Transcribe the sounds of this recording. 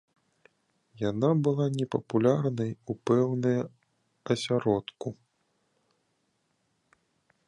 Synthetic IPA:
janabɨlˠanʲɛpɐpulʲarnɐjupɛwnɐjɐ | ɐsʲaɾɔt̪ku

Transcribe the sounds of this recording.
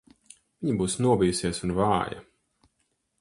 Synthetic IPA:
v̥iɲibuːsnuɔbijusiɛsunvaːjɐ̰

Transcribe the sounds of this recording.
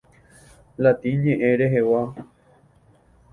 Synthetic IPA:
lat̪ĩɲẽʔẽɾeɦewa

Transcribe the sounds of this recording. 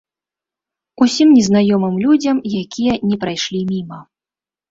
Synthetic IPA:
usʲimnʲɛznajɔmɨmlʲud͡zʲɐmjakʲijɛnʲɛpɾajʂlʲimʲimɐ

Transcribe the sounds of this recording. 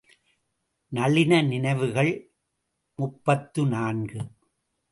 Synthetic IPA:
nɐlɪnɐnɪnɐɪʋɯɣɐɭ | mʊpːɐt̪ːɯnaːnɡɯ

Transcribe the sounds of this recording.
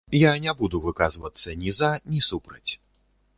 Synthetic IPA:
janʲabud̪uvɨkazvɐt̪sːɐnʲizanʲisupɾɐt͡sʲ

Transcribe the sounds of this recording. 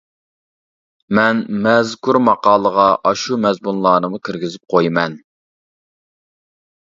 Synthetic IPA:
mɛnmɛzkuɾmɑqɑːlˠəʁɑʔɑʃumɛzmunlˠɑːnɨmukʲʰiɾɡʲɪzɪp̚qʰojimɛn

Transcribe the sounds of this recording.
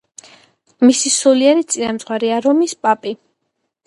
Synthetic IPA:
misisuliɛɾit̪sʼinamt̪sʼʁwaɾiaɾɔmispʼapʼi

